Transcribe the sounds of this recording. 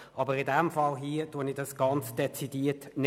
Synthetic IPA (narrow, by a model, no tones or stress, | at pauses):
ʔɑbəʁɪdɛmfɑlɦiːd̥uənidɑsɡ̥ɑnt͡sd̥ɛt͡sidiːətn